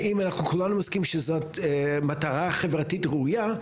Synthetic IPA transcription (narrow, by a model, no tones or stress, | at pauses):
imanaχnukulanumoskimʃezotmataʁaχe̞vʁatitʁeuja